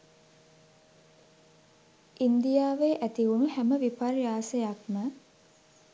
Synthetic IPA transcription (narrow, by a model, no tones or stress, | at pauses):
ʔind̪ijaːʋeːʔæt̪iunuhæməʋipaɾjaːsəjakmə